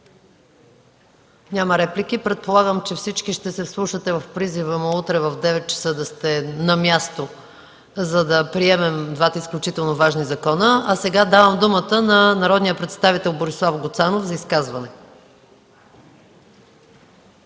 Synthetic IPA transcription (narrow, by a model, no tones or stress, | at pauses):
ɲʲaməɾɛplʲik̟ipɾɛt̪̚polˠaɡəmt͡ʃɛfsit͡ʃkiʃt̪ɛsɛslˠuʃət̪ɛvɐfpɾizivəmout̪ɾɛvəvd̪ɛvɛt̪̚t͡ʃə̥sɤd̪ɐst̪ɛnɐmʲjast̪o | zɐd̪ɐpɾiɛmɛmd̪vat̪əisklʲʊt͡ʃit̪ɛlˠnovaʒnizɐkɔnəɐsɛɡad̪avəmd̪umət̪ənɐnɐɾɔd̪nijəpɾɛt̪st̪avit̪ɛlˠboɾislˠafɡʊt̪sanofzɐiskazvɐnɛ